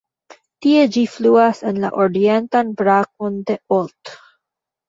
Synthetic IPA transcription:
t̪ied͡ʒifluasenla̰ʔoɾient̪anbɾak̚ond̪e̞olt̪

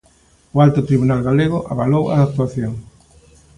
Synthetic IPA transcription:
ʊalt̪ʊt̪ɾiβunalɣaleɣ̞ʊʔa̰βalowa̰k̚t̪uaθjoŋ

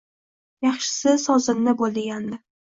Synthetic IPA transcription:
jɑχʃɪ̥sɪsɒzɪnːɪbolˠd̪ɪɡʲand̪ɪ

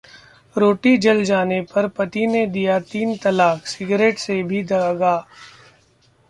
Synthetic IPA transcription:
ɾoːʈid͡ʒɐld͡ʒaːnepɐɾpɐt̪ined̪ijat̪iːnt̪ɐlaːksɪɡɾeːʈsebʱid̪ɐɡaː

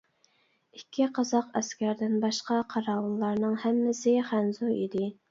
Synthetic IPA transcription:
ikʲʰːiqʰɑzɑqɛskʲæɾd̪ɪnbɑʃqɑqʰɑɾɑːwnlːˠɑɾnɨŋhæmːɪsɪχænzuid̪ɪ

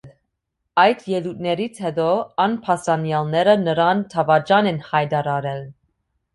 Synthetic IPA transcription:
ɑjd̪ʰjɛlut̪̚nɛɾit͡sʰhɛd̪ɔɑnpʰɑsɑnjɑlnɛɾənəɾɑnt̪ʰɑvɑd͡ʒɑnɛnhɑjd̪ɑɾɑɾɛl

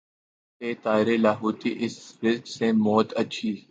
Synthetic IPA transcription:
eːt̪aːɪɾelaːɦuːt̪iʔɪsɾɪsksẽmɔːt̪ɐːʃʰiː

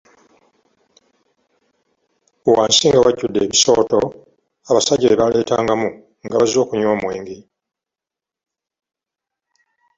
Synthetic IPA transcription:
waːnsiŋɡawaɟːudːe̞ːβiso̞ːto̞ | aβasaɟieβale̞ːtaːŋɡamu | ŋɡaβazo̞ːkuɲwoːmweːŋɡi

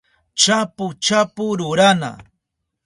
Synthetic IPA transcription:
t͡ʃapʊt͡ʃapʊɾʊɾana̰

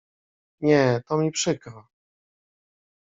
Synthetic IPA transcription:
ɲɛt̪ɔmʲipʂɘkɾa

